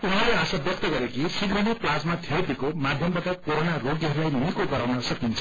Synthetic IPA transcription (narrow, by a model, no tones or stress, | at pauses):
unɦaʌrleasabjʌk̚t̪ʌɡʌɾekisiɡrʌniplad͡zmat̪ʰet̪ikomad̪ʱjʌmbat̪akoɾonaroɡiɦʌɾulajnunikoɡʌɾawnʌsʌkint͡sʰʌ